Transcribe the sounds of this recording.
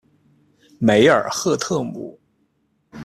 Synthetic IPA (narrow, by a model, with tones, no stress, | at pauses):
me˧˥ɪə̰˞˨˩xɤ˥˧t̪ʰɤ˥˩mṵ˨˩˦